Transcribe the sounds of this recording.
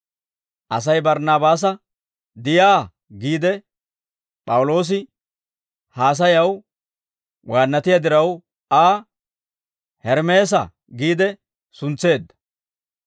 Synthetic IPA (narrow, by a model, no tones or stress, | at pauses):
ʔɐs̬ɐjbɐɾnaːbaːs̬ɐ | d̪ɪjaː | ɡiːd̪ɛ | pʼɐwʊlo̞ːs̬ɪ | haːs̬ɐjɐw | wʔaːnːɐt̪ɪjɐd̪ɪɾɐw | aː | hɛɾmeːs̬ɐ̰ | ɡiːd̪ɛ | sʊnt͡sːe̞ːd̪ːɐ̥